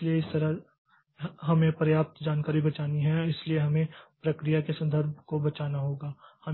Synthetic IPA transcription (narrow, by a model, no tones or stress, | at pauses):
ɪlieɪst̪ɐɾə | ɦɐmẽpɾɐjaːp̚t̪d͡ʒaːnkaːɾibɐt͡ʃaːniɦɛɪslieɦɐmẽpɾɐkɾijakesɐ̃nd̪ʱəɾb̚ʱkobɐt͡ʃaːnaɦoːɡaːhɐm